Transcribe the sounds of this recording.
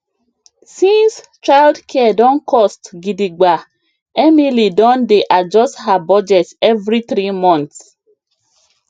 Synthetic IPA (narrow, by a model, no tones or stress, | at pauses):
sĩns | t͡ʃaldkʰɛdɔ̃nkʰɔstɡidiɡ͡ba | ɛmilidɔ̃ndeʔad͡ʒɔstɦabɔd͡ʒɛtɛvɾiθɾimɔ̃nts